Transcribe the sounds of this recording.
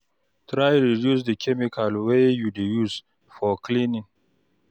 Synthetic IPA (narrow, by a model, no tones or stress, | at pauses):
tɾajɹidjus̬dəkʰʲɛmɪkʰalwejudejuz | fɔklinɪ̃ŋ